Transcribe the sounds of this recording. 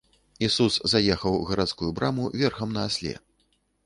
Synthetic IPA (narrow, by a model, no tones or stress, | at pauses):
isuszajɛxɐwɣɐɾat̪skujubɾamuvʲɛrxɐmnɐːsʲlʲɛ̰